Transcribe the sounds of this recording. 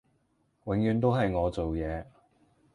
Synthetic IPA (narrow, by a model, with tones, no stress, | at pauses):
wɪ˨˥ŋjyː˨˧nt̪o˥wɦɐ˨jŋɔː˨˧t͡so˨wjɛː˨˧